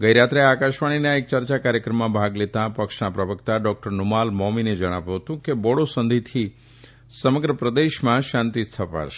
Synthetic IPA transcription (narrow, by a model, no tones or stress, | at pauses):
ɡəjɾat̪ɾeeakaʃʋaɽ̃inaek̚t͡ʃəɾt͡ʃakaɾjəkɾəmːãbʱaɡlet̪ãpəkʃnapɾəʋəkt̪aɖɔk̚ʈəɾnumalmɔmined͡ʒəɽ̃aʋjũɦət̪ũkebɔɽosə̃nd̪ʱit̪ʰi | səməɡɾəpɾəd̪eʃmãʃãnt̪ist̪ʰəpa̰ʃe̥